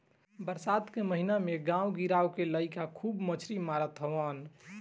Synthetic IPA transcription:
bəɾsat̪keməɦinameɡãwɡiɾawkeləɪkakʰubmət͡ʃʰɾimaɾət̪ɦəʋan

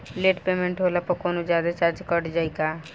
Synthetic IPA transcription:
leːʈpeːmẽɳʈɦoːlapəkoːnozjaːd̪at͡ʃaːɾd͡ʒkəɾɖd͡ʒaːiɡaː

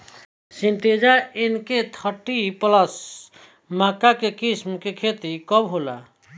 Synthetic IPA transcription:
sinʈ̪ed͡ʒaenket̪ʰəʈipləs | makakekismkekʰet̪ikəbɦola̰

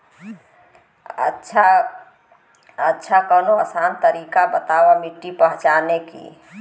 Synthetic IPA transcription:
ə̰ʃʰa | ətːʃʰakənoəsant̪əɾikabət̪awamiʈːipəɦt͡ʃanekḭ

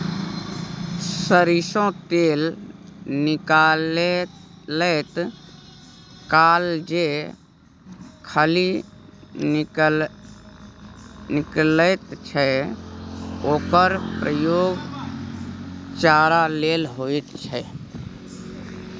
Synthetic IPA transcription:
səɾisõt̪eːl | nɪkal | lət̪ | kaːld͡ʒe | kʰəli | nkəl | nɪklət̪t͡ʃʰɛ | oːkəɾpɾəjoːɡ | t͡ʃaːɾalelɦoit̪t͡ʃʰɛ

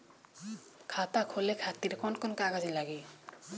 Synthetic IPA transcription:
kʰatakʰolɛkʰatiɾkɔnkɔnkaɡazilaɡi

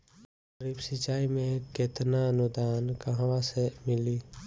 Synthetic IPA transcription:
ɾiːbsɪt͡ʃaːimẽket̪naənʊd̪aːnkəɦãʋasemɪli

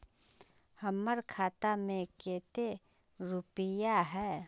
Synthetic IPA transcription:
həmːəɾkʰaːt̪amẽkeːt̪e | ɾʊpɪjaɦɛː

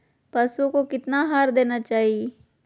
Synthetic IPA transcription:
pɐsukokɪt̪naɦaːɾd̪eːnat͡ʃaːɦie

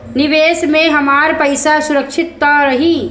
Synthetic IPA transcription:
nɪʋeːsmẽɦəmaːɾpəɪsasuɾəkʃʰɪt̪̚ːəɾəɦiː

